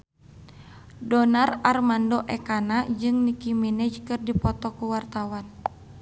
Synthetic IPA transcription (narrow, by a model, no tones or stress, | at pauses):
dɔnararmandɔʔɛkanad͡ʒɨŋnikimɛnɛd͡ʒkɨrdipɔt̪ɔkuwart̪awan